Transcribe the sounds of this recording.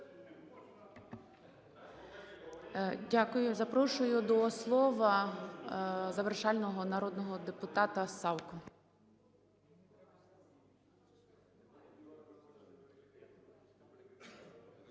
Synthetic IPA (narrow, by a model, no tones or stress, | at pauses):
dʲakʊjʊzɐpɾɔʃʊjʊd̪ɔːslˠɔʋɐ | zɐʋerʃɑlʲnɔɦɔnɐɾɔd̪nɔɦɔd̪epʊt̪ɑt̪ɐsɑwkʊ